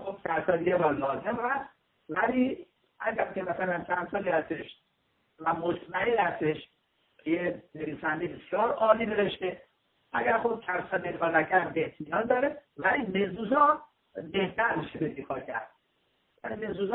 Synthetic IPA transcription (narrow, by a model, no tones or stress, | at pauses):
xob̥sænsɒːd̪iɡebæɾlɒːze̞mhæs | væliː | ʔæɟæɾkʲʰemæsælænt͡ʃʰænd̪sɒːliːhæst̪eʃ | væmot̪ʰmænelhæst̪eʃ | jene̞viːsænd̪ejibesjɒːɾɒːliːd̪eðeʃt̪e | ʔæɡæɾxob̚kʰænsɒb̪enkʰɒːnækʰæɾbeht̪ʰmijɒnd̪ɒːɾevælimezuzɒː | be̞ht̪æɾmiʃebed̪ekʰɒːcʰæ̰ɾd̪̥ | vælime̞zuːzɒ